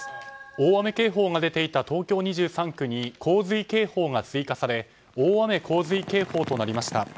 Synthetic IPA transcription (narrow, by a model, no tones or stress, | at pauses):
o̞ːβame̞ke̞ːɦo̞ːŋad̪e̞t̪e̞it̪at̪o̞ːkʲo̞ːɲ̟iʑɨːsãŋkɯ̟ɲ̟ikʰo̞ːzɨike̞ːho̞ːŋat͡sɨikasaɾe̞ | oːβame̞kʰo̞ːzɨike̞ːho̞ːt̪o̞naɾʲimaɕi̥t̪a